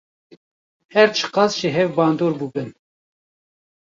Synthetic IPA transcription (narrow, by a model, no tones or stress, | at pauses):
hɛɾt͡ʃʰɨ̥qɑːsʒ̥ɨɦɛvbɑːnd̪oːɾbubɨn